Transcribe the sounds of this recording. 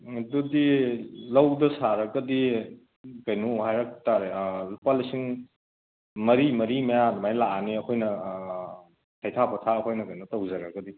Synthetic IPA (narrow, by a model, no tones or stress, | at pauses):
dudilɐwdɐsaɾɐɡɐdi | kɐjnuhajɾak̚taɾepalisiŋ | mɐɾimɐɾimajanmajlaniɐkʰojnɐ | tʰajtʰapʰɐtʰaɐkʰojnɐkɐjnutɐwzɐɾɐɡɐdi